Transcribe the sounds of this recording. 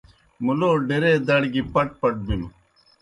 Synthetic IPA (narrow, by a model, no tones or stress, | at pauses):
muloːɖeɾeːd̪ɐɽɡipɐʈ̚pɐʈ̚binu